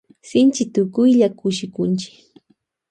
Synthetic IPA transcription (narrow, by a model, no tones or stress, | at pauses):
sɪnt͡ʃɪt̪ʊkʊjʎakʊʃɪkʊnt͡ʃɪ̥k